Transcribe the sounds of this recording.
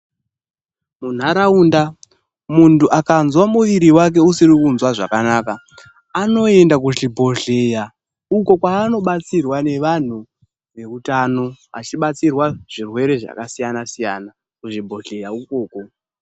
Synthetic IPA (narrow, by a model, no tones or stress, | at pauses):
mun̤aɾauːnda | muntuʔakanzwamuʋiɾiwak̬e̞usiɾikunzwaʐakanaːka | ano̞e̞ndak̬uʐibʱo̞ɮe̞ja | uko̞kwaːno̞ɓat͡sirwane̞ʋan̤u | ʋe̞utano̞a̰t͡ʃiɓat͡sirwaʐ̥irwe̞ɾe̞ʐa̰kasijanasijaːna | kuʐibʱo̞ɮe̞jaukoːko̞